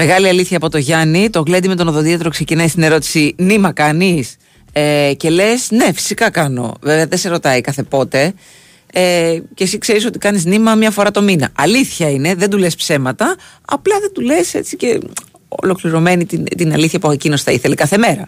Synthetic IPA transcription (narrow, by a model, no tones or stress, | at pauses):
me̞ɣɐliɐliθçɐːpo̞t̪o̞ʝɐnit̪oɣlend̪ime̞t̪onoðo̞t̪iɐt̪ɾokse̞cinɐist̪ine̞ɾo̞t̪i̥sinimɐkɐnis | ece̞le̞sne̞fi̥sikɐkɐno̞̰veveɐðeseɾo̞t̪ɐikɐθe̞po̞t̪e̞ | ecesikse̞ɾiso̞t̪ikɐniznimɐmɲɐfo̞ɾɐt̪o̞minɐ̰ɐliθçɐine̞ðe̞nd̪ulespse̞mɐt̪ɐ | ɐ̰plɐðe̞nd̪ule̞se̞̰t͡sice̞ | o̞̰lo̞kliɾo̞me̞nit̪int̪inɐliθçɐpuecinosi̥θɐiθe̞lekɐθe̞me̞ɾɐ̰